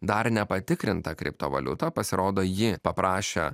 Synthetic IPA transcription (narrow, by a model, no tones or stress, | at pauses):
d̪ɐɾnʲɛpɐt̪ʲɪkɾʲɪnt̪ɐkɾʲɪ̰pt̪o̰ːʋɐ̰lʲʊ̰t̪ɐpɐsʲɪɾoːd̪oːjɪpɐpɾɑːʃʲḛ